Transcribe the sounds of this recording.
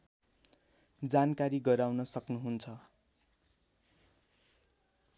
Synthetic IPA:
d͡zankaɾiɡʌɾawnʌsʌknuɦunt͡sʰʌ

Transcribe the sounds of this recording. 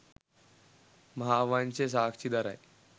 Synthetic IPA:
məɦaʋant͡ɕes̬akʰt͡ɕiːd̪aɾa̰e

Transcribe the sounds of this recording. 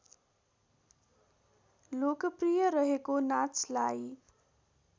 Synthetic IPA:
lokʌprijʌɾʌɦekonat͡slaj

